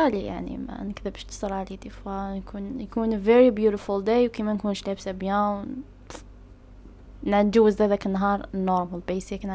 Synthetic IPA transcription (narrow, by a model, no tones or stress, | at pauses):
alija̰ʕnḭmæ̰nəkðəbʃt̪ə̥sˤəɾʕalid̪ifankʰunjkunveɾibjuɾəfʊld̪ejwkemænkuːnʃlæbsæbjæ̃w | nand͡ʒuwzæd̪ækənːɦɑɾˤnːɔɾˤməlbeːsɪkn